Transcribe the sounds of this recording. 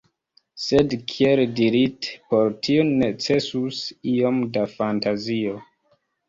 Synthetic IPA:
sedkʰieldiɾitpoɾtʰione̞t͡se̞susio̞mdafantazio

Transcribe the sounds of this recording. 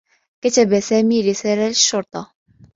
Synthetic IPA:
kæt̪æbæsæːmiːɾɪsæːlaʃːʊɾˤt̪ˤɑ

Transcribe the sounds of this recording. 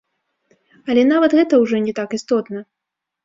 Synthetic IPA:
ɐlʲɛnavɐt̪ɣɛt̪ɐwʐɔnʲɛt̪akist̪ɔt̪nɐ

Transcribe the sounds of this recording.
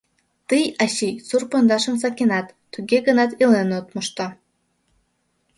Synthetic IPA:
t̪ɨjɑɕijsurpŏnd̪ɑʃə̆msɑkʲenɑt̪ːuɣʲeɡə̆nɑt̪ilenot̪moʃt̪ɑ

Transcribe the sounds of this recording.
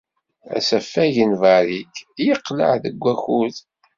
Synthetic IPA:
æ̰sæfːæʝənvɑɾikjəqːlə̰ʕðəɡʷːæxuð

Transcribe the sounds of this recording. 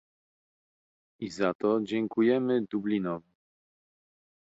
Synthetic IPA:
izat̪ɔd͡ʑɛŋkujɛmɘd̪ublʲinɔvʲi

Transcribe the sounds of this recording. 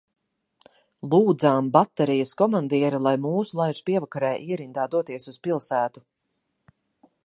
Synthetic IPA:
lˠuːd̪zaːmbat̪ːɛɾijɐskɔmand̪iɛɾilˠajmuːsulˠajɾspiɛvakaɾɛːʔiɛɾind̪aːd̪uɔt̪iɛsuspilˠsæːt̪u

